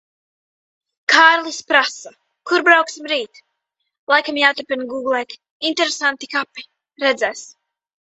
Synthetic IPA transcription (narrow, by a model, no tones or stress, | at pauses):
kʰaːɾlˠispɾasa | kuɾbɾawksimɾiːt̪ | lˠajkamjaːt̪uɾpʲinɡuːɡlˠɛːk | int̪ɛɾesant̪ikapi | ɾɛd̪zɛːs